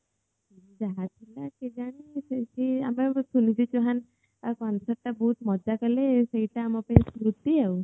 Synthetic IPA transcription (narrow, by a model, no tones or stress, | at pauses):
id͡ʒaɦat̪ʰilaked͡ʒaɽ̃iset͡ʃʰia̰mesunit͡ʃʰit͡ʃuɦan | kansɔʈːabut̪mɔd͡ʒakɔleseiʈaːmapaĩskɾut̪iaw